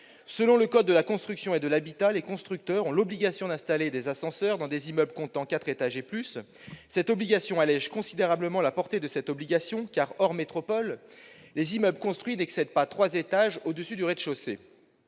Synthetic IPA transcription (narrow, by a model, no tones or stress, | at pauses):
səlɔ̃ləkɔd̪̚ːəlakɔ̃st̪χyksjɔ̃ed̪əlabit̪alekɔ̃st̪χyk̚t̪œʁɔ̃lɔbliɡʲasjɔ̃d̪ɛ̃st̪aled̪ezasɑ̃sœʁd̪ɑ̃d̪ezimœblkɔ̃t̪ɑ̃kat̪χet̪aʒeplys | sɛt̪ɔbliɡʲasjɔ̃alɛʒkɔ̃sid̪eʁabləmɑ̃lapɔʁt̪ed̪əsɛt̪ɔbliɡʲasjɔ̃kaʁɔʁmet̪χɔpɔlː | ezimœblkɔ̃st̪χɥinɛksɛd̪pat̪χwazet̪aʒod̪əsyd̪yʁɛd̪ʃosḛ